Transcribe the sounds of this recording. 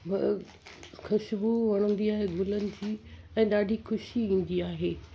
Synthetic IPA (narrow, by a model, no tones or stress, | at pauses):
bɐ | xɐʃbuʋɐɽ̃ə̃nd̪iaːɦeɡʱʊːlənɪ̆d͡ʑiː | ɛ̃ːɗaːɖʱixʊʃiʋĩːn̆d̪iaːɦeː